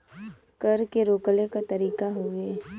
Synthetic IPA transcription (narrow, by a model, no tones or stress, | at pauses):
kɐɾkeɾoːklekat̪ɐɾiːkaɦoːɡeː